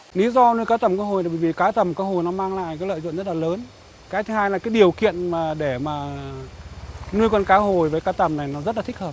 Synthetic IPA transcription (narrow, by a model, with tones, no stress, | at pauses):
li˨˦zɔ˧nu˧əjkaː˨˦t̪ə˨˩mkaː˨˧˦ho˨˩ja˨ɓə˧˩˨vi˨˩kaː˨˦t̪ə˨˩mkaː˨˦ho˨˩jnɔ˨˦maː˧ŋla̰ː˧˨jkaː˨˦jlə̰ː˧˨jz̰o̰˧˨nzə˦˥t̚laː˨˩ləː˨˦n | kaː˨˦jt̪ʰɨ˨˦haː˧jlaː˨˩kaː˨˦jɗi˨˩əwkḭ˧˨ənmaː˨˩ɗe˧˩maː˨˩ | nu˧əjkɔ˧nkaː˨˦ɦo˨˩jvəː˨˦jkaː˨˦t̪ə˨˩mna˨˩jnɔ˨˦zə˦˥la˨˩i˦˥k̚həː˨˩p̚